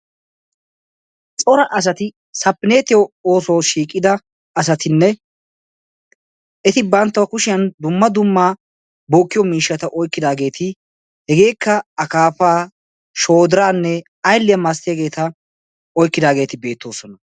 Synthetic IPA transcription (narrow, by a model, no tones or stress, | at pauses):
t͡sʼɔɾɐʔɐs̬ɐt̪ɪ | sɐpːɪneːt̪ɪjɔoːsoːʃiːkʼːɪd̪ɐ | ɐs̬ɐt̪ɪnːɛ | ɛt̪ɪbɐnt̪ːɐwɐkʊʃɪjɐnd̪ʊmːɐd̪ʊmːaː | boːkːɪjɔmiːʃːɐt̪ɐʔɔjkːɪd̪aːɡe̞ːt̪ʰɪ | hɛɡe̞ːkːɐɐkaːpaː | ʃoːd̪ɪɾaːnːɛ | ɐjlːɪjɐmast̪ːɪjɐɡe̞ːt̪ɐ | ɔjkːɪd̪aːɡe̞ːt̪ɪbe̞ːt̪ːo̞ːsɔnɐ